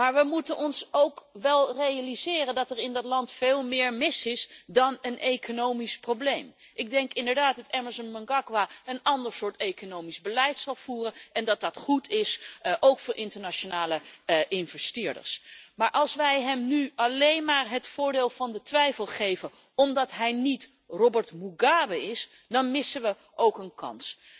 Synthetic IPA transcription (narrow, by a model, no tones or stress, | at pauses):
maːɹʋəmutənɔnsowkʋɛlˠrejalizɪːrəndɑtɛrɪndɑtlɑntfeːlˠmɪːɹmɪsɪsdɑnənʔejkonowmisprowblejmʔɪɡ̚dɛŋkɪndəɹdaːtdɑtɛməzɔnmɔŋɡakwaənɑndəɹsʊːɹtejkonowmizbəlɛjtsɑlˠv̥uːrənɛndɑt̚dɑtχutʰɪsʔowkfʊːɹʔɪntəɹnat͡ʃonaːləʔɪnvɛstɪːɹdə̰ɹsmaːɹʔɑlˠsʋɛjɦɛmnyɑlejnmaːɹɦətfʊːɹdeːlˠvɑndətʋɛjfəlˠχejvən | ɔmdɑtɦɛjnit | rɔbəɹtmuɡaːbəɪs | dɑnmɪsəʋə | ʔowkənkɑ̰ns